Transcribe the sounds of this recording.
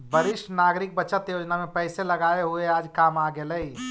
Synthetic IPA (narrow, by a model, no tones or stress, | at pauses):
bəɾɪʃʈnaːɡɾɪk̚bəːt͡ʃət̪joːd͡ʒnamẽpɛɪseləɡaːeɦueaːd͡ʒkaːmaɡeləi